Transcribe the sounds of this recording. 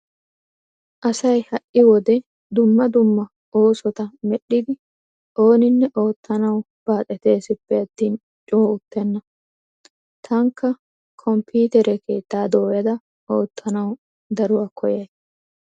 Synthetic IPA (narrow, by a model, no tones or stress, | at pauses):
ʔɐsɐjhɐʔɪwɔd̪ɛ | d̪ʊmːɐd̪ʊmːɐ | o̞ːsɔt̪ɐmɛɗːɪd̪ɪ | ʔo̞ːnɪnːɛʔo̞ːt̪ːɐnɐw | b̥aːt̪ʼɛt̪e̞ːsɪpːɛɐt̪ːiːn | t͡ʃʼoːʊt̪ːɛnːɐ | t̪ʰɐŋkːɐ | kʰɔmpʰuːt̪ɛɾɛkʰe̞ːt̪ːaːd̪o̞ːjɐd̪ɐ | ʔo̞ːt̪ːɐnɐw | d̪ɐɾʊwaːkʰɔjɐjs